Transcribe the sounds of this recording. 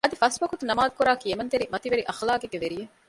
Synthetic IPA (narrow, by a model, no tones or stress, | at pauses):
ɐd̪ifɐsbɐkut̪unɐmaːd̪ukuɾaːkiemɐnt̪eɾimɐt̪iʋeɾiʔɐxlaːkeɡeʋeɾije